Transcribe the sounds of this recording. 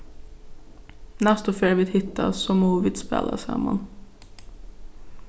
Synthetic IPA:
nɛst̪ɔfeːɾʋɪːt̪hɪt̪ːa̰sɔmoːʋɪd̪spḛːlʔa̰sɛ̰ma̰n

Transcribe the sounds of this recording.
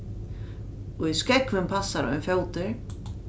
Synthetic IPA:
ɔɣiskɛkvʏmpʰasːaɾɔ̰jnfjɔwt̪ɪɾ̥

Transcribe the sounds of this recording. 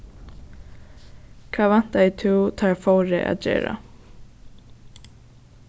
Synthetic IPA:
kʰvaːvan̥t̪ait̪ʰɪwt̪ʰaɹfowɾɪ̰ʔa̰ðd͡ʑɛ̰ːɾa̰

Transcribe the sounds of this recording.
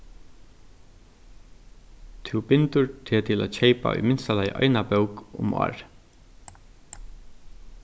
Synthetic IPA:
t̪ʰubɪnt̪əɹt̪ʰɪt̪ʰɪlo̰ːçeɪpa̰ʏ̰mɪnst̪ɑlɑɪʔɑ̰ɪnabœʊkʊ̰mɑ̰ːɹ

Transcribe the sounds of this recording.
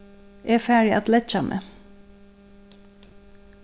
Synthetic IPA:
ʔeːfæːɹɪʔɑt̪lɛt̪t͡ʃɑmʔə̰

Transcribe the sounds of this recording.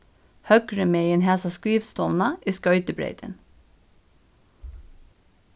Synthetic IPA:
hœɡɹəmeːiːeːnhæːsɑskɹiːʋst̪ɔʋnɑʔiːskœʏt̪əbɹḛɪt̪ʰə̰n

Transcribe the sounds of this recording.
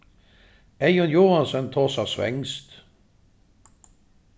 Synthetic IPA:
æɪɔnjuːhɑnsənt̪ʰoːsɑsʋɛ̰ŋst̪

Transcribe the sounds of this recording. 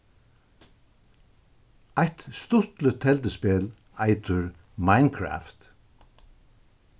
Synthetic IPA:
ajt̪st̪ʊt̪lət̪ʰɛlt̪əspeːl | aɪt̪ʊɹ | maɪnkʰɹa̰ːft̪

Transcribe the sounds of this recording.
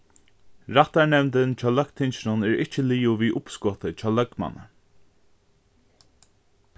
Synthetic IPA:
ɹat̪aɹnɛvnt̪ɪnt͡ʃʰaːlœkt̪ʰɪnt͡ʃɪnʊnɛɹɪht͡ʃəliːʊviːʔʊpskɔt̪ət͡ʃʰawlœkma̰nə̰

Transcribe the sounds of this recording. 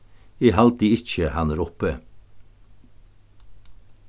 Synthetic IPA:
iːhɑlt̪̚d̪iːɪc͡çəhɑnəɾɔpə

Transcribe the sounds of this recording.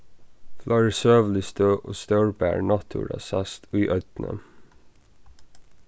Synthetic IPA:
flʔɑɹsøːʋlɪst̪øːʔoːst̪œʉɹbæ̰ːɹnɑt̪ʰṵɹɑ̰sɑst̪ʰʉːʔœd̪̥nə̰

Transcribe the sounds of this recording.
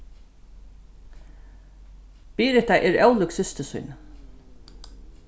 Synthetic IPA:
piːɾɪt̪aʔɛɹɛwlʊksɪst̪əsʊ̰jn

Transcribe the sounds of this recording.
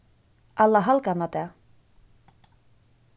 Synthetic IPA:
ʔalːaɦalkanat̪ɛ

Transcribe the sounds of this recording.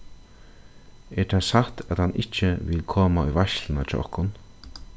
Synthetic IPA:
ɛʈʰasaht̪at̪hanʔɪt͡ʃəʋɪlkʰoːmaʊjʋaʃlənat͡ʃʰɛ̰ʔɔ̰hkʊn

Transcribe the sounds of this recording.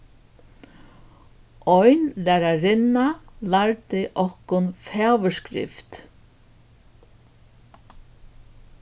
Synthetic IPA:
ɔjnlæːɾaɾɪnːalaɹt̪ɪʔɔhkʊnfɛːwəskɾɪ̰ft̪

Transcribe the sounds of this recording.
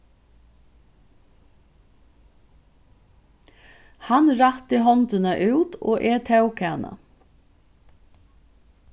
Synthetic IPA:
hanɾat̪ɪɦɔnt̪ɪnaʔʉːt̪ɔ̰ːʔɛt̪ʰɛwkʰɛːna̰

